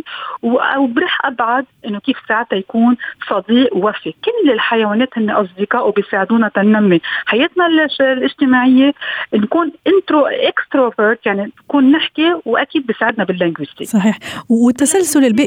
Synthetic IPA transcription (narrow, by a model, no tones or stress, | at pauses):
wwbɾiːħʔabʕad̪̚ʔɪnːokiːfsaːʕt̪ajakuːnsˤɑd̪iːʔwwafikɪlːɪlħajawaːneːt̪hɪnːeʔɑs̬ˤd̪ɪqɑːʔuwbɪjsaːʕɪd̪uːnat̪anːamːiħajeːt̪nallʔɪʒt̪ɪmaːʕɪjːenkuːnʔɪnt̪ɾoʔekst̪ɾoveɾt̪jaʕnikuːnːɪħkiwʔakiːd̪̚bisaːʕɪd̪nabɪlːɪŋɡwɪst̪ḭsˤɑħiːħɪt̪ːasalsʊlɪlbiʔ